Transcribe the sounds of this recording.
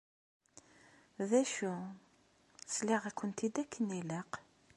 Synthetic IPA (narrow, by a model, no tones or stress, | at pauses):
ðæʃu | sliʁækʷːənt̪id̪ækʰːəniləq